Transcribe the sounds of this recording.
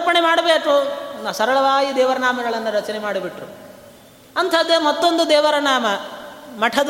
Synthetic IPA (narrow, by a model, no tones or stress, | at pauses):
pɐɳemaːɽɐbeːkusɐɾɐɭɐʋaːjid̪ɛːʋɐɾɐnaːmɐɡɐɭɐnːɐɾɐt͡ʃɐnemaːɽubiʈɾu | ɐnt̪ʰɐd̪emɐt̪ːo̞nd̪ud̪ɛːʋɐɾɐɳaːmɐmɐʈʰɐd̪